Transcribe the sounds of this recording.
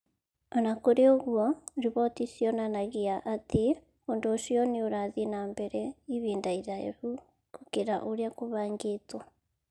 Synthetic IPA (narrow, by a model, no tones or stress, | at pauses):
anakoɾeoɣwɔɾiβɔtisjɔnanaɣiaʔatʰe | ondoʃiɔnioɾaðinaːmbɛɾɛiβiːndaiɾaḛɾu | kukeɾa̰ʔoɾjakoβaːŋɡetwa